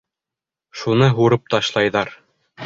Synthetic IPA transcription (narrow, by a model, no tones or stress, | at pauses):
ʃunɤɦuɾɤp̚t̪ɒɕlˠɑjðɑɾ